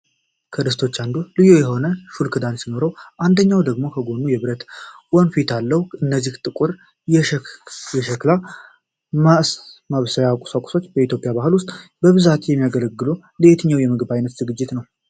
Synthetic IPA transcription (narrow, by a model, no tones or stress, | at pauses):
kʰəd̪ɨst̪ʰo̞t͡ʃːand̪ulɨjo̞jɛɦo̞nəʃulkʰɨd̪ansino̞ɾəwʔand̪əɲːawd̪əɡmo̞kʰəɡo̞nːujɛβɨɾət̪wɔnfit̪ʰalːəhɨnːəzːiht̪ʼɨkʼuɾ | jɛʃəkla | masmaβsəjakʼu̥sakʷʼu̥so̞t͡ʃːbəit̪jo̞pʼjabaɦɨlwʊst̪ʼbəβɨzat̪jɛmːijaɡələɡːɨlo | lɨet̪ʰɨɲːawjɛmɨɡɨbajnət̪z̥ɨɡɨd͡ʒːɪt̪nəw